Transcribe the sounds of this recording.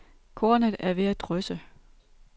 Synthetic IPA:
kʰo̝ːɐnəðˠæɐʋe̝æd̥ʁœsə

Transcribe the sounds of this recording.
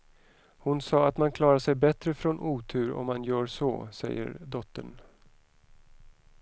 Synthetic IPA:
hʊnsɑːat̪mankʰlɑːɾaʂɛjbɛt̪ɾəfɾɔnʔuːt̪ʰʉ̟ːɾɔ̰mːanjœːɾʂɔ̰sɛ̰jːə̰ɾd̪ɔt̪ːən

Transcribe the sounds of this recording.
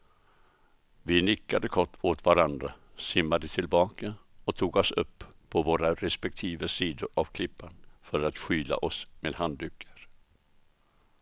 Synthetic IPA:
vɪnɪkːad̪əkʰɔʈːoːt̪vaɾand̪ɾasɪmːad̪ət̪ʰɪlbɑːkaɔt̪ʰuːɡɔsɵpːʰɔvoːɾaɾɛspɛk̚t̪ʰiːvəsiːd̪ʊɾavkʰlɪpːanfœɾat̪ɧyːla̰ʔɔsmeːd̪hand̪ʉːkʰːəɾ

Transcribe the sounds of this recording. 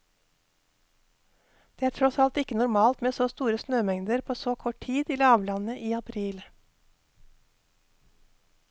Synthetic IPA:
d̪̥eːæːʈʰɾɔsɑlt̪ɪkənʊɾmɑːlt̪meːsoːst̪uːɾəsnøːmɛŋd̪əɾpʰoːsoːkʰɔʈʈʰiːd̪iːlɑːʋlɑnəʔiːɑpʰɾiːl

